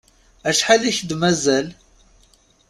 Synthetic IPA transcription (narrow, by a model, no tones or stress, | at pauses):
æʃħaliçd̪mæzæl